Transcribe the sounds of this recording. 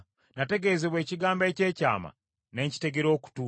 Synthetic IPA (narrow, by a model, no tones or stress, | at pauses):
nate̞ɡe̞zeβwe̞ːciɡaːmbece̞ːca̰ːma̰ | ne̞ːɲci̥te̞ɡeɾo̞ku̥tu